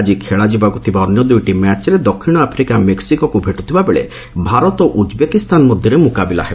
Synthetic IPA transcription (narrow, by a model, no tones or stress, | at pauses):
d͡ʒikʰeɭad͡ʒibaɡut̪ʰibaɔnjɔd̪ujʈimat͡ʃɾed̪ɔkʰːiɽ̃ɔapʰɾikameksikɔkubʱeʈu̥t̪ʰibabeɭḛ | bʱaɾɔt̪ɔʔud͡ʒbekist̪anɔmɔd̪ʱjɔɾemukabila̰ɦeb